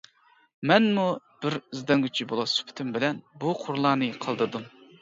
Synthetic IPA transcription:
mɛnmu | b̥ɪɾizd̪ɑŋɡʲyt͡ʃʰibolˠɑsy̥pʰɪ̥t̪ʰymbɪlɛnbuqʰʊɾlˠɑːnɨqʰəlˠd̪ɨɾd̪um

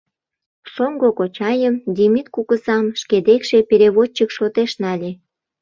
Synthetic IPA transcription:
soŋɡokot͡ɕɑjəmd̪ʲimit̪̚kukəzɑmʃked̪ekʃepeɾʲeβot͡ɕːəkʃot̪eʃnɑlʲe

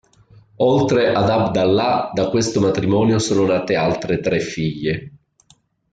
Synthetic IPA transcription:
ɔlt̪ɾeʔad̪abd̪alːad̪akwest̪omat̪ɾimɔːnjosoːnonaːt̪ealt̪ɾet̪ɾɛfːiʎːe

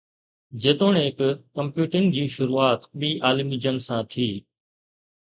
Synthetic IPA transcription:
d͡ʑeːt̪oːɽeɦɪkkəmpjuːʈɪŋɡd͡ʑiːʃʊɾuːaːt̪ɓiːʔaːlɪmid͡ʑəŋɡsãːt̪ʰiː

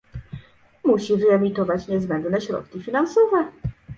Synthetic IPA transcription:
muɕivɘɛmʲit̪ɔvat͡ɕɲɛzbɛnd̪nɛɕɾɔ̰t̪kʲifʲinansɔvɛ

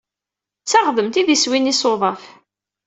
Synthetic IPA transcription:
t͡sːaʁðəmt̪iðiswinisoðˤɑf

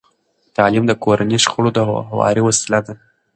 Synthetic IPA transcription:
t̪ɑlimd̪əkoɾaniʃxʊɽod̪əɦawɑ̰ɾiwasɪlad̪a

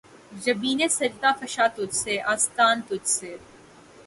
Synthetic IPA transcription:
d͡ʒɐbiːneːsɐɾt̪aːfɐʃaːt̪ʊd͡ʒseʔaːst̪aːnt̪ʊd͡ʒse

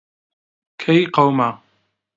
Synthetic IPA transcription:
kʰajqɑwma

